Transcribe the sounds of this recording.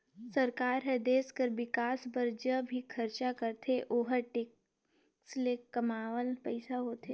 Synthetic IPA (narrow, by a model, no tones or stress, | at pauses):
sɐɾkaːɾɦɛd̪eːskəɾʋɪkaːsbɐɾd͡ʒəbʱikʰɐɾt͡ʃakəɾt̪ʰeʔoːɦəʈeːk | slekɐmaːʋəlpɛɪsaɦoːt̪ʰeː